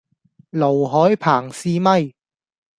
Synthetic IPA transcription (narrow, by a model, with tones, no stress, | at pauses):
lo˨˩wɦɔː˨˥jpʰaː˨˩ŋsiː˧mɐ˥j